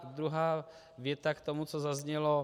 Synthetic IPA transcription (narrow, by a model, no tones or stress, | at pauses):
d̪ɾuɦaː | vjɛt̪akt̪omut͡sozazɲɛlo